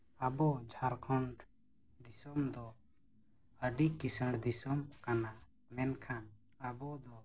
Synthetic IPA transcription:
abɔd͡ʒʱaɾkʰɔɳɖ | d̪isɔmd̪ɔ | əɖikisəɽd̪isɔmkana | mɛnkʰan | abɔd̪ɔ

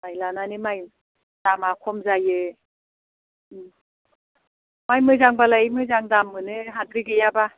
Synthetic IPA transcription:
majlananimaj | d̥amakʰɔmzajɯ | majmɯzaŋbalaimɯzaŋdamːɯnɯɦadɾiɡɯjaba

